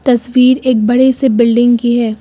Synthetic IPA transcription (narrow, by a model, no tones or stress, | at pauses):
t̪ɐswiːɾeːk̚bɐɽesebɪlɖɪ̃ŋɡkiɦɛː